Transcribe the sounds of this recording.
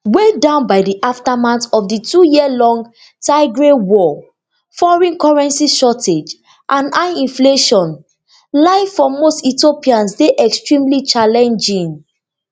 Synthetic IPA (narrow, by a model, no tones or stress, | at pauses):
wedãʊ̃nbaɪdiʔaftamãntɔfditujiəlɔ̃ŋɡ | taɪɡɹewɔ | fɔɹĩnkɔɹɛ̃nsiʃɔted͡ʒ | ʔãnaĩnfleʃɔ̃n | laɪfɔ̃mːostitiopiãnsdeʔɛkstɹĩmlit͡ʃalɛ̃nd͡ʒĩŋ